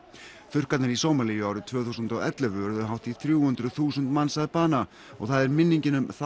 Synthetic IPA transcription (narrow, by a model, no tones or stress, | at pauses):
θʏr̥kat̪nɪɾisoːwmalijʏaːwɾɪt̪ʰvœːθuːsʏnt̪awɛ̰t̪lʏvʏvœɾʏðʏɦawht̪iθɾjuːhʏnt̪ɾʏθuːsʏnt̪mansaðpaːna | ɔ̰ɣθaðɛɾmɪnːiɲcɪnʏmθa